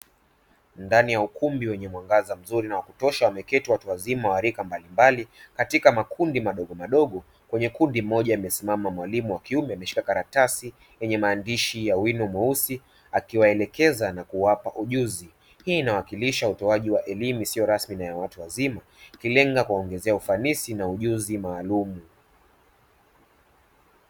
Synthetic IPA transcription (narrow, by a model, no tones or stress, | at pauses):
ndanijaukumbiwɛɲɛmwaŋɡazam̩zuɾinawakutɔʃawamɛkɛtiwatuwazimawaɾikambalimbalikatikamakʰundimaɗɔɠɔmaɗɔɠɔ | kwɛɲɛkundim̩ɔʄaimɛsimamamwalimuwakiumɛamɛʃi̥kakaɾatasi | jɛɲɛmaːndiʃijawinɔmausi | akiwaɛlɛkɛzanakuwapaʔuʄuzi | hiːnawakiliʃautɔaʄiwaʔɛlimuisiɔɾasminajawatuwazima | kilɛŋɡakuwaɔŋɡɛzɛaufanisinauʄuzimaːlumu